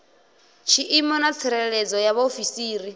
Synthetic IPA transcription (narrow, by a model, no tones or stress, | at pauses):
ʃʰiʔimɔnat͡sʰɛɾɛɺɛd͡zɔjaβaofisiːɾi